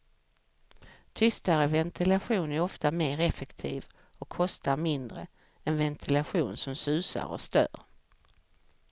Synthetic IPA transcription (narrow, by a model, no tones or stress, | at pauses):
t̪ʰʏst̪aɾəvɛnt̪ʰɪlaɧuːnæɾɔft̪ameːɾɛfɛkt̪ʰiːv | ɔkʰːɔst̪aɾmɪnd̪ɾə | ɛnvɛnt̪ʰɪlaɧuːnsɔmsʉ̟ːsa̰ɾɔ̰st̪œ̰ːɾ